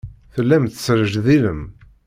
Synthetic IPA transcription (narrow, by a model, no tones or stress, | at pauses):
θəlːæmt̪ə̥səɾəʒðiləm